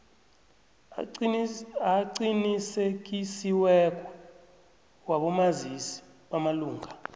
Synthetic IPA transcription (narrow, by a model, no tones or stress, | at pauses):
aǀinisek̬isiwɛk̬ʼɔ | waɓɔmazisi̥ | ɓamaluːŋʱa